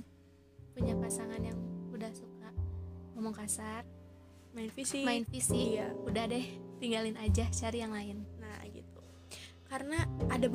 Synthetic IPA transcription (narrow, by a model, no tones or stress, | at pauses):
puɲapasaŋanjaŋudahsukamamʊŋkasar | maɪnfisimaɪnfisijaudahdɛt̪iŋɡalɪnad͡ʒaht͡ʃaɾijaŋlaɪnna̰ɡḭt̪̚u | kaɾənaːdab